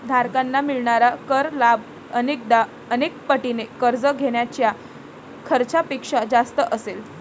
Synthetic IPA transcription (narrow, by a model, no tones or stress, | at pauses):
d̪ʱaɾkanːamiɭɳaɾakəɾlab | ənek̚d̪a | ənek̚pəʈinekəɾd͡zəɡʱeɽ̃jat͡ɕja | kʰəɾt͡ɕapikʂad͡zast̪əʔəsel